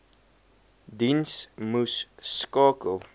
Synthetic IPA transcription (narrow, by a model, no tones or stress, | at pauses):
dinsmusːkɑːkəlˠ